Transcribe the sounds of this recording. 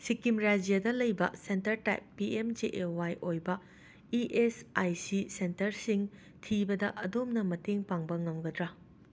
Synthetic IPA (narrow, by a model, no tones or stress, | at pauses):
sikimɾad͡ʒijadɐlɐjbɐ̰sentɐɾta̰jpːiemd͡ʒeʔewajʔojbɐ | iʔesajsisentɐɾsiŋ | tʰibɐdɐʔɐdomnɐmɐteŋpaŋbɐŋɐmɡɐdɾɐ